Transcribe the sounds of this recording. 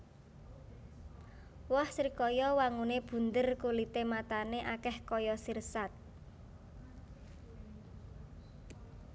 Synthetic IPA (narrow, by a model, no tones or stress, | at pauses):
wɔhsɾikɔjɔwaŋuneb̥ṳnd̪ərkulit̪emat̪aneʔakɛhkɔjɔsirsat̪̚